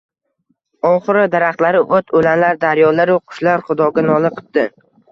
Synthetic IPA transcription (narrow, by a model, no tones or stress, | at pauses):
ɒχɨɾɪd̪aɾaχt̪laɾɪʔot̪ʰolanlaɾd̪aɾjɒlaɾʊqʰʊ̥ʃlaɾχʊd̪ɒɡʲanɒlˠɨqʰɨ̥p̚d̪̥ɪ